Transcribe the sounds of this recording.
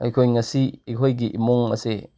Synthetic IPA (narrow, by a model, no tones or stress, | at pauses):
ɐ̰jkʰojŋɐsiːkʰojɡiʔimuŋɐ̰se